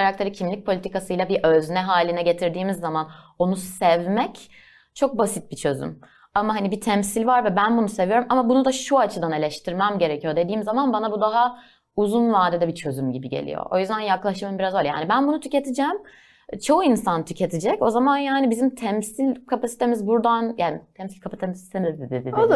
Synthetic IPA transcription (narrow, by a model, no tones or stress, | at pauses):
aɾak̚t̪ʰeɾɯcʰimlʲic̚pʰolʲit̪ʰikasɯjlˠabiʔøznɛɦaːlʲinɛɟe̞t̪ʰiɾd̪iːmizːamano̞nusɛvmɛc | t͡ʃʰo̞k̚basit̪̚bit͡ʃʰø̞zy̰m | amaɦanibit̪ʰɛmsilʲvaɾvɛbænbunuse̞vijo̞ɾumʔamabunud̪aʃuat͡ʃʰɯd̪ane̞lʲɛʃt̪ʰiɾmæmɟe̞ɾɛcʰijo̞d̪e̞d̪iːmzamanbanabud̪aɦa | uzunvad̪ɛd̪ɛbit͡ʃʰø̞zymɟibiɟḛlʲḭjo̰ʔo̞̰jyzd̪ænjaklˠaʃmaɯmbiɾazolʲja̰ːnibænbunut̪ʰyce̞t̪ʰid͡ʒɛm | t͡ʃʰo̞uinsant̪ʰycʰe̞t̪ʰid͡ʒɛco̞zamanjaːnibizimt̪ʰɛmsilʲkʰapasi̥t̪ʰe̞mizbuɾd̪anjaːnit̪ʰɛmsilʲkʰapʰat̪ʰɛpasi̥t̪ʰemizd̪ed̪ed̪id